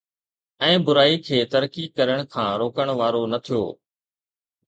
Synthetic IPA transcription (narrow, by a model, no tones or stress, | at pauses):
ɛ̃ːbʊɾaːikʰeːt̪əɾkiːkəɾəɽ̃kʰãːɾoːkəɽ̃ʋaːɾonɐt̪ʰijoː